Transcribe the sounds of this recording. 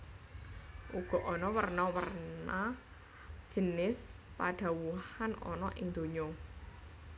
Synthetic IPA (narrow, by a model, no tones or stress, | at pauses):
ʔuɡ̥ɔ̤ʔɔnɔwərnɔwərna | d̥ʒ̥ə̤nɪs | pa̰ɖ̪̥ä̤wuhanɔ̰nɔʔɪŋd̪̥o̤ɲɔ